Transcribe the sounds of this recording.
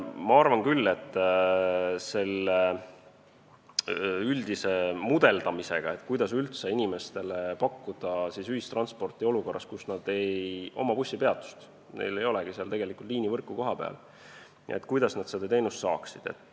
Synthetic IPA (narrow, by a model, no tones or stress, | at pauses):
mɑɑrvɑnkylːe̞t̪ː | se̞lːe | yld̪ise̞mud̪̥e̞ld̪̥ɑmise̞ɡ̥ɑe̞t̪ːkujd̪ɑsylt̪seinime̞st̪e̞le̞pɑkˑːud̪̥ɑsisyɦist̪ɾrɑnspo̞rt̪ːˑio̞luko̞rːʔɑ̰st̪kusnɑd̪̥e̞jo̞̰mɑpusʲːipe̞ɑt̪ːˑu̥st̪ | ne̞̰jle̞jo̞leɡ̥iseɑlt̪e̞ɡe̞likult̪liːnivɤrkːˑuko̞ɦɑpe̞̰ɑ̰l | ḛt̪kujd̪ɑsnɑd̪sed̪̥ɑt̪e̞ːnust̪sɑ̰ːksid̪̥e̞̰t̪ːˑ